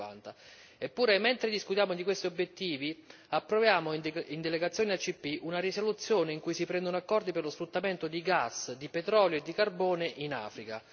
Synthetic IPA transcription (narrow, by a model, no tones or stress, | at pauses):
a̰nt̪a | epːuːɾement̪ɾed̪iskut̪jaːmod̪ikwest̪iobjet̪ːiːvi | apːɾovjaːmoind̪eleɡat̪sːjoːniat͡ʃːipːiʔunarisolut̪sːjoːneiŋkujsipɾɛnd̪onoakːɔrd̪iperlosfɾut̪ːament̪od̪iɡasːd̪ipet̪ɾɔːljoed̪ːikarbɔːneʔina̰ːfɾika